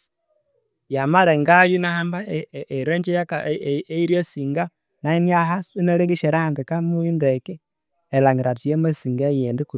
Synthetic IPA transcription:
jamaɾeŋɡajunahambaeɾweɲd͡ʒejakaeiɾjosiŋɡa | nainiahasneleŋɡiʃeɾaŋɡekamujundekeː | laŋɡiɾatijemasiŋɡajendiku

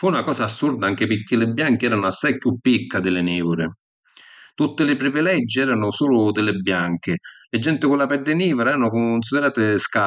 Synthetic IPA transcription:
funakɔːsaːsːurd̪aaŋk̟ɪpɪɾk̟ːɪlɪbːjaŋk̟ɪɛːɾanʊasːajpjupːikːad̪ɪlɪniːvʊɾɪ | t̪ut̪ːɪlɪpɾivilɛd͡ʒːiɛːɾanʊsuːlʊd̪ɪlɪbːjaŋk̟ɪlɪd͡ʒːɛnt̪ɪkʊlːapɛd̪ːɪniːvʊɾaɛːɾanʊkʊns̬id̪ɪɾaːt̪ɪska

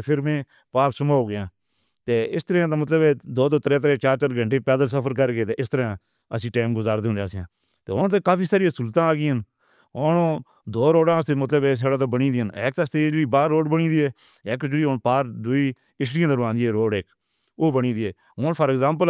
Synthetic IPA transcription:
pʰɪɾmẽː | paːɾsəmaːoːɡɪjãː | t̪eːɪst̪əɾeãːt̪̬ãːmət̪̬ləbeːd̪oːt̪oːt̪əɾeːt̪ɾeːt͡ʃaːɾt͡ʃəɾɡʱə̃ɳʈeːpɛːd̪əls̬əpʰəɾk̬əɾɡeːt̪eːɪst̪əɾã | əsĩːʈeːmɡʊzaːɾd̪enãːsjãː | t̪eːɦoːnt̪ẽːkaːpiːsaːɾijãːsʊlt̪ãːaːɡiːən | onː | d̪oːɾoːɖãːsemət̪ləbeːs̬eːɽaːt̪ãːbəɽĩːd̪iːənḛːk̚t̪əst̪ed͡ʒɽiːbaːɾːoːɖbəɽĩːd̪iːeː | eːkd͡ʒəɽiːonpaːɾd̪ʊiː | ɪsʈɪjãːd̪əɾʋãːnd̪iːeːɾoːɖeːk | oːbəɳĩːd̪iːeː | ɦoːnpʰəːɾɛɡzaːmp̬əl

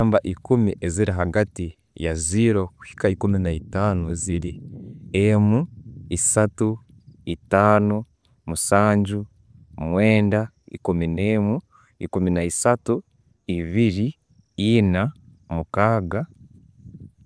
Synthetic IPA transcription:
ambaʔikumiʔeziɾaɦaɡati | jaziɾoku̥hi̥kaikuminaitaːnueziɾiemuisatu | itaːnu | musaːɲɟu | mweːnda | ḭkuminemu | ikuminaisatu | iβiɾi | ina | mukaːɡa

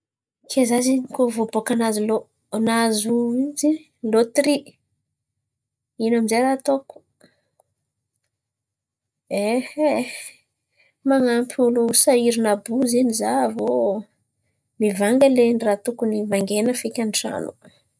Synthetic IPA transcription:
kʰezazinikovobokanazilo | nazuizi | lot̪ri | inamizeɾat̪oku̥ | ehe | maŋampulusaiɾinabuzinizavo | mivaŋɡəlenrat̪ukunivaŋɡenəfikʲaniʈ͡ʂa̰nu̥

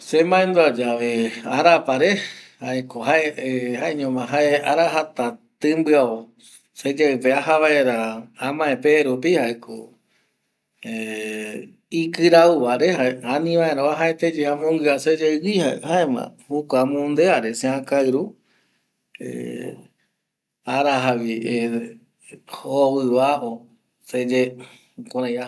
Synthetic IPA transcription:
semãẽnd̪uad͡ʒaʋeaɾapaɾehaekoɦaehaeɲõmãɦaeaɾaɦat̪at̪ɨmbɨao | sed͡ʒaɨpeaɦaβaeɾaãmãẽpeɾup̬ihaekʰo̰ | e | ikɨɾauβaɾehaanĩʋãẽɾãaɦaet̪ed͡ʒehamõŋɡɨased͡ʒeɨwihahaẽmã̰hukʷamõnd̪eaɾeseãkaɨɾu | ḛ | aɾaɦaβi | howɨβao | sed͡ʒe | kõɾ̃ãj̃a

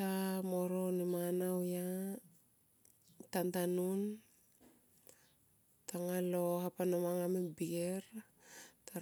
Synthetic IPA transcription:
amo̞ɾonimanawja | tantanun | taŋalo̞ɦapanomaŋamebieɾ | ta

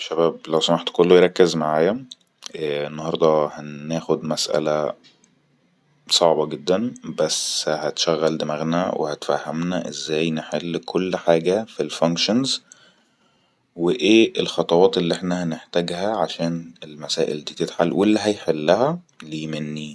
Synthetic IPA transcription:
ʃæbæːblæwsæmaħt̪kolːojɾˤɑkːezmaʕaːjæ | enːɑhɑɾˤd̪ˤɑhænæːxod̪mæsʔæ̰læ | sˤɑʕbɑɡed̪ːænbæshæt̪ʃæɣːæld̪emæɣnæ̰wḛhæt̪fæ̰hːæmnæʔezːæːjneħelːkʰolːħaːɡæfilfæŋkʃonz | weʔeːʔelxɑt̪ˤɑwɑːt̪elːiʔeħnæhæneħt̪æːɡhæʕaʃæːnelmæsæːʔḛld̪iːt̪et̪ħalwʔelːiɦæjħelːæhæ | liːmenːi

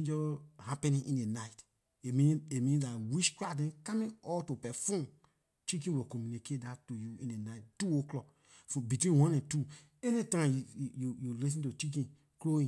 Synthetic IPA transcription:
d͡ʒɔhapɛ̃nĩʔḭ̃ndenaɪt | emĩemĩndatwiʃkɹadɛ̃nkamĩɔltupɛfɔ̃m | t͡ʃik̬ĩwikɔmjuniketdatujuĩndenaɪttːuoklɔk | fɔbitwĩnwɔ̃nɛ̃ntu | enitãmjjujulis̬ĩntut͡ʃik̬ĩn | kloĩ

